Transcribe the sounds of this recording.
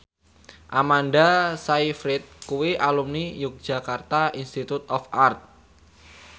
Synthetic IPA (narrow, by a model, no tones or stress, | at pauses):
ʔamandasaifɾɪt̪̚kuwiʔalumnijʊk̚d̥ʒ̥a̤kart̪aʔinst̪it̪ut̪ɔfart̪̚